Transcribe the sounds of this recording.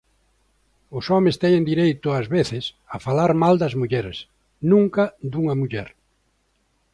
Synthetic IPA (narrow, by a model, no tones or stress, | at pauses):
ʊsɔmɪst̪ɛjẽnd̪iɾejt̪ʊɐzβeθɪs | ɐfalaɾmald̪ɐzmuʎɛɾs | nũŋkɐd̪uŋɐmuʎɛ̰ɾ